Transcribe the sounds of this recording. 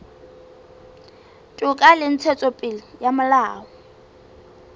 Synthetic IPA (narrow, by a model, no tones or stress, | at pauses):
tʼʊkʼalɪn̩t͡sʰɛt͡sʼɔpʼɪlɪjamʊlaːwɔ